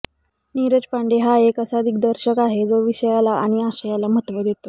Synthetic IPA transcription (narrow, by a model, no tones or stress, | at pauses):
niɾəd͡ʑpaɳɖeɦaekəsaəd̪ʱik̚d̪əɾɕəkaɦed͡zoʋiɕəjalaʔaɽ̃iaɕəjalaməɦət̪ʋəd̪et̪o